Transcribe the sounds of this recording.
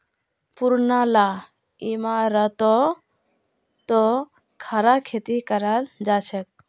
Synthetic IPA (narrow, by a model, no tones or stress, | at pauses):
puɾnala | imaɾət̪ɔ | t̪ɔ | kʰaɾakʰet̪ikəɾald͡ʒat͡ʃʰɛk̚